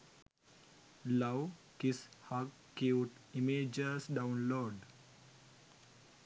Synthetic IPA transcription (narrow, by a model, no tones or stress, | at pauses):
lawkishaɡ | kiwʈimed͡ʒəɾsɖãʊ̃nloːɖ